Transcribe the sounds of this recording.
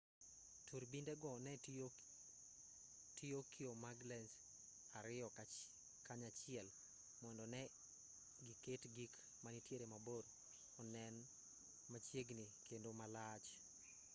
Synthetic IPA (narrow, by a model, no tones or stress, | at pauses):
tʰuɾbindɛɡɔnɛ | tʰiokʰiomaɡlɛns | aɾɪjɔka | kaɲat͡ʃɪɛl | mɔndɔnɛ | ɡiketɡik | manitjeɾemaboɾ | ɔnɛn | mat͡ʃjeɡnikendomalat͡ʃ